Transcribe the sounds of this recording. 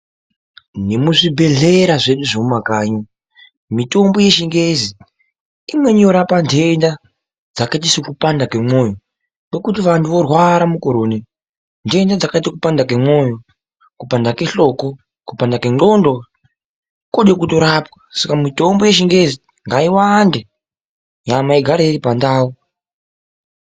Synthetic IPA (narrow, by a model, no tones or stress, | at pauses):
nemuʐibʱe̞ɮeɾaʐe̞ɗuʐomumakaːɲo | mito̞mbo̞je̞ʃiŋɡe̞zi | imwe̞ɲo̞ɾapande̞nda | d͡zakait̬isikupandakemoːjo | ke̞kut̬iʋantuʋo̞rwaɾamukoɾoːne | nde̞ndad͡zakaitakupandak̬emo̞jo | kupandake̞ɬo̞ko̞ | kupandake̞ɡondo | koɗekuto̞ɾapwḁsakamito̞mboje̞ʃiŋɡe̞zi | ŋɡaiwande | ɲamaiɡʱaɾeiɾipandaːu